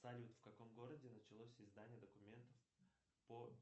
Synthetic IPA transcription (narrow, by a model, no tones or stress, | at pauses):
salʲut̪fkɐko̞mɡo̞ɾədʲɪnət͡ɕɪlˠosʲɪzd̪anʲɪjəd̪əkʊmʲe̞nt̪əf | po